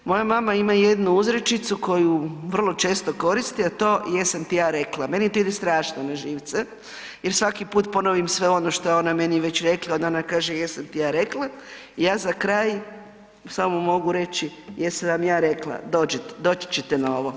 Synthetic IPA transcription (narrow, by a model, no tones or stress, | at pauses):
mo̞jamamaimaje̞d̪nuuzɾet͡ʃit̪suko̞juʋr̩lˠo̞t͡ʃe̞ːst̪o̞ko̞ɾist̪iat̪o̞ːjesamt̪ijaːɾe̞klˠame̞nit̪oid̪est̪ɾaːʃnonaʒiːʋt̪se | jeɾsʋakipuːt̪po̞noʋimsʋe̞o̞noʃt̪ojeo̞name̞niʋe̞t͡ɕɾe̞klˠaod̪onakaːʒejesamt̪ijaːɾe̞klˠa | ijaːzakɾaːj | samomo̞ɡuɾe̞t͡ɕijesaʋamjaːɾe̞klˠa̰d̪oːd͡ʑet̪d̪o̞ːt͡ʃt͡ɕet̪enao̞ʋo̞